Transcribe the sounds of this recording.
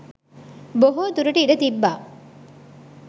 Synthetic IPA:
boɦoːt̪uɾuʈiiɖɐt̪ibːaː

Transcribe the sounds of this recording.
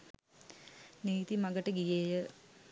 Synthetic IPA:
niːt̪imaɡəʈəɡijeːjə

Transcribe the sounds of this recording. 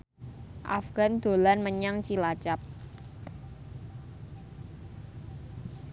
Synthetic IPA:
ʔa̰fɡ̥a̤nd̪̥o̤lanməɲaŋt͡ʃilat͡ʃap̚

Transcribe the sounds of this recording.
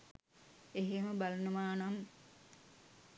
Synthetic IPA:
eɦeməbalɐnəmaːnam

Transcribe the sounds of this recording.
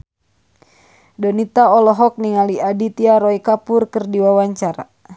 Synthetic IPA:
dɔnit̪aɔlɔɦɔk̚niŋaliadit̪iaɾɔikapurkərdiwawaɲt͡ʃaɾa̰

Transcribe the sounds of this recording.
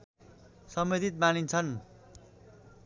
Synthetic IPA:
sʌmed̪ʱit̪̚manint͡sʰʌn

